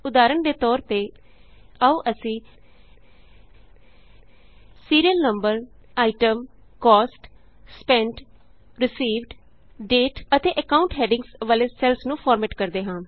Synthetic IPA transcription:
ʊd̪aːɾəɳd̪eːt̪ɔːɾt̪eː | auːʔəsĩː | siːɾijəlnəmbəɾ | aːɪʈəm | kɔːsʈ | spɛ̃ːɳʈ | ɾɪsiːʋɖ | ɖeːʈət̪eːʔəkaːʊ̃ɳʈɦɛːɖɪ̃ŋsʋaːleːsɛlsnũːpʰɔːɾmeːʈkəɾd̪eːɦãː

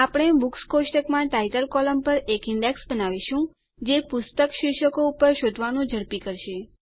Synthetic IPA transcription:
apəɳ̃ebukskosʈəkmãʈajʈəlkɔləmpəɾekɪɳɖeksbənaʋiʃũ | d͡ʒepʊst̪əkʃɪʃəkoupəɾʃod̪ʱʋanũd͡ʒʱəɾpikəɾʃe

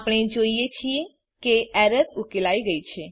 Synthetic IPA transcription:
pəɽ̃ed͡ʒoijet͡ʃʰie | keɛɾətukelaiɡəit͡ʃʰe

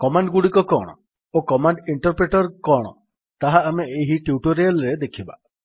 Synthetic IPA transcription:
kɔmaɳɖɡuɽikɔkɔ̰ɽ̃ɔ̰ | okɔmaɳɖiɳʈɔɾpɾeʈɔɾkɔɽ̃ɔ̰ | t̪aɦaːmeːɦiʈjuʈoɾalɾed̪ekʰiba̰

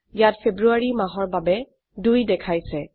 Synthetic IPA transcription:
jatpʰebɹuaɹimaɦɔɹbabɛ | dujdɛkʰajsɛ

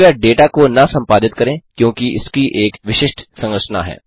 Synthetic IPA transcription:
aɖeːʈakonɐsɐ̃mpaːd̪ɪt̪̚kɐɾẽːkjõːkiɪ̰skiʔeːkʋɪʃɪʃʈsɐ̃ŋɡəʃna̰ɦɛ̰ː

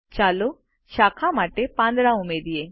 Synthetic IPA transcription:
t͡ɕalo | ʃakʰamaʈepãnd̪ɾaumed̪ije

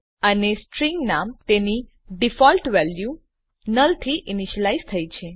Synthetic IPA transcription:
ənesʈɾiŋɡnamt̪eni | ɖifɔlʈʋɛlju | nəlt̪ʰiʔɪniʃəlaizt̪ʰəjt͡ʃʰe

